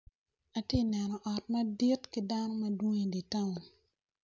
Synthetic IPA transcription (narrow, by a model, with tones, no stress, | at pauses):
a˨ti˦nɛ˨nɔ˨ʔɔ˨t̚ma˦di˦tki˦da˦nɔ˦ma˦du˦ŋi˨di˨ta˦wu˨n